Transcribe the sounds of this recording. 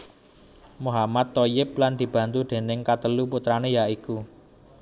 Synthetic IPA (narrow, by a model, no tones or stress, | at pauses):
muɦamat̪ːojɪp̚land̪̥i̤b̥ä̤nt̪ud̪̥e̤nɪŋkat̪əluput̪ɾanejaiku